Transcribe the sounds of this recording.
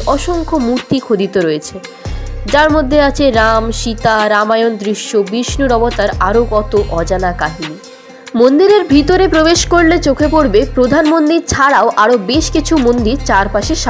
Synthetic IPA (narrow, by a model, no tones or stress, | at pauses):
ɔʃoŋkʰomuɾt̪ikʰod̪it̪oɾoet͡ɕʰed͡ʑaɾmod̪ʱːeat͡ɕʰeɾamʃit̪aɾamajond̪ɾiʃːobiʃnuɾɔbot̪aɾaɾokɔt̪oʔɔd͡ʑanakaɦini | mond̪iɾeɾbʱit̪oɾepɾobeʃkoɾlet͡ɕokʰepoɾbepɾod̪ʱanmond̪iɾt͡ɕʰaɽaoʔaɾobeʃkit͡ɕʰumond̪iɾt͡ɕaɾpaʃeʃa